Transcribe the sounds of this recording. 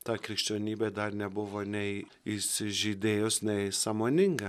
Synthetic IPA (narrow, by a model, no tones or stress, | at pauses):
t̪aːkɾɪʃt͡ʃanʲiːbɛd̪aɾnʲɛbʊʋɔnʲɛ | ɪsʒid̪eːjosnʲɛsamonʲɪŋɡɐ